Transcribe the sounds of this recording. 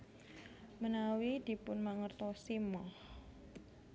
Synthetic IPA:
mənawid̪̥i̤pʊnmaŋərt̪ɔsimɔh

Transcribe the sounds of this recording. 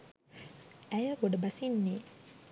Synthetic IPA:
æjəɡoɖəbɐsinːeː

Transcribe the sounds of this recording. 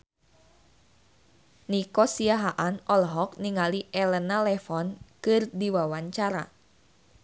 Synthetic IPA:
nikɔsiaɦaʔanɔlɦɔk̚niŋaliʔɛlənalɛfɔnkɨrdiwawaɲt͡ʃaɾa̰

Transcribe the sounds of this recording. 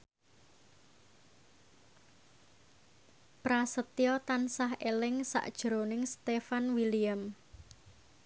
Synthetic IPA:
pɾasət̪ijɔt̪ansaɦelɪŋsa̰ʔd̥ʒ̥ɾonɪŋst̪efanwiliam

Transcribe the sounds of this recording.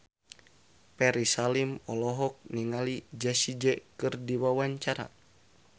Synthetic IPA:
pɛɾisalimɔlɔɦɔk̚niŋalid͡ʒasid͡ʒɛkɨrdiwawaɲt͡ʃaɾa̰

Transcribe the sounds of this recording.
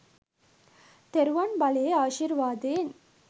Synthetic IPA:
t̪ɛɾʋɐnbɐɭɐeaːʃiɾʋaːd̪eːn

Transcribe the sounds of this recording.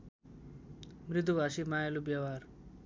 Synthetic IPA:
mrit̪̬ubʱasimajalubjawar

